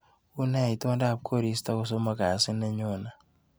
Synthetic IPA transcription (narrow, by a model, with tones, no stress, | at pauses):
u˦nɛ˦˨i˨tu˦ma˦da˦˨p̚kʰo˦˨ɾi˨˦sta˦ko˦s̬o˦ma˦ka˨sɪ˦nɛ˦ɲo˦˨na˨